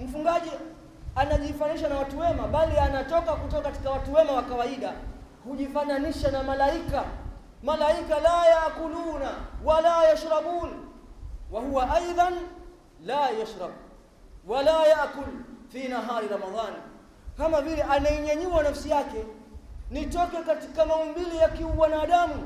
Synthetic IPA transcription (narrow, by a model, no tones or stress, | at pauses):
m̩fuŋɡaʄi | anaʄifaniʃ̬anawatuwɛmaɓalianatɔkakutɔkakati̥kawatuwɛmawakawaiɗa | huʄifananiʃanamalaika | malaikalaːjaʔkuluːnawalaːjaʃɾɑɓuːn | wahuwaʔajðˤɑn | laːjaʃɾɑb | walaːjaʔkʊlfiːnaɦaːɾiɾɑmaðˤɑːn | kamavilɛʔanaiɲaɲiwanafsijakɛ | nitɔkɛkati̥kamaumbilijakiuwanaːɗamu